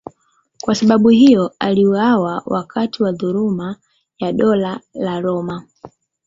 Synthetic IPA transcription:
kwasaɓaɓuhijɔaliuawawa̰kʰatʰiwaðuɾuma | jaɗɔlalaɾɔma

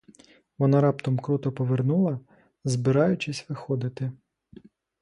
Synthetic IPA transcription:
ʋɔnɑɾɑpt̪ɔmkɾut̪ɔpɔʋernulˠɐ | zbɪɾɑjʊt͡ʃɪsʲʋɪxɔd̪ɪt̪ɪ

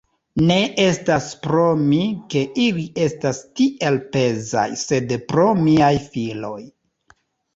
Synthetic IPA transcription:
ne̞ʔe̞staspɾomike̞ʔilie̞stastiʔe̞lpe̞za̰jse̞dpɾo̞miajfilo̞̰j

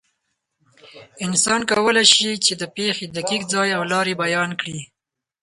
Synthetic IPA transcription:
ɪnsɑnkawəlajʃit͡ʃed̪əpexed̪akikd͡zɑjawlɑɾebajɑnkɽi

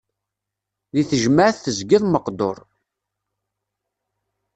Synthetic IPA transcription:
ðiθəʒməʕθθəzɡiðˤməqd̪oɾˤ

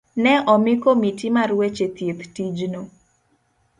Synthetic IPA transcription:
nɛʔɔmɪkomitimarwet͡ʃet̪jet̪tid͡ʒno

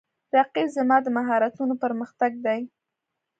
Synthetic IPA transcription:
ɾaqibzamɑd̪əmaɦɑɾat̪unopəɾməxt̪aɡ̚d̪aj

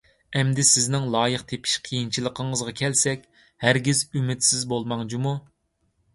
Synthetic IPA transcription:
ɛmd̪ɪsɪznɪŋlˠɑːjəqt̪ʰepʰi̥ʃqʰijint͡ʃʰilˠəqʰəɴəzʁɑkʲʰɛlsɛkʲ | hæɾɡʲizymɪt̪sɪzbolˠmɑŋd͡ʒumu

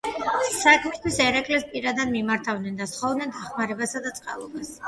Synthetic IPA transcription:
sakʰmist̪wisɛɾakʼlɛspʼiɾad̪ad̪mimaɾt̪ʰavnɛnd̪asχɔvd̪nɛd̪aχmaɾɛbasad̪at̪sʼqʼa̰lˠɔbas

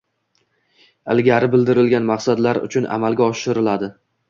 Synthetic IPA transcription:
ɪlˠɡʲaɾɪbɪld̪ɪɾɪlɡʲanmaqsad̪laɾʊ̰t͡ʃʰʊna̰malɡʲaɒʃɪɾɪlad̪ɪ

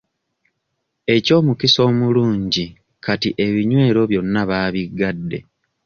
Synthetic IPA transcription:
e̞co̞ːmukiso̞ːmuluːɲɟi | katiʔe̞βiɲwe̞ːɾo̞βjo̞nːaβaːβiɡadːe̞̰

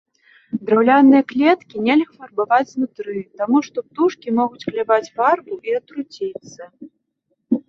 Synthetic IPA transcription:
d̪ɾawlʲanɨjɐklʲɛt̪kʲinʲɛlʲɣɐfɐrbavad͡zʲwnut̪ɾɨt̪amuʂt̪ɔp̚t̪uʂkʲimɔɣut͡sʲklʲɛvad͡zʲvarbuʔiɐt̪ɾut͡sʲit̪sːɐ

